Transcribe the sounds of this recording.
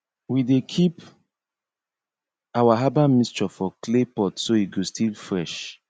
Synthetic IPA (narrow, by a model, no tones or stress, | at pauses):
widekʰip | awaɦabamist͡ʃɔfɔklepɔtsoiɡostʰilfɹɛʃ